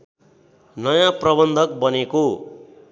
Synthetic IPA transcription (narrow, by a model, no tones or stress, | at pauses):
nʌjãprʌbʌnd̪ʱʌk̚bʌneko